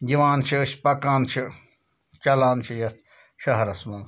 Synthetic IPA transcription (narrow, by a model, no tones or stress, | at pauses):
jiʋaːnt͡ʃʰisʲpɐkãːnt͡ʃʰi | t͡ʃɐlaːnt͡ʃʰijɐt̪ | ʃɐɦɐɾɐsmaːn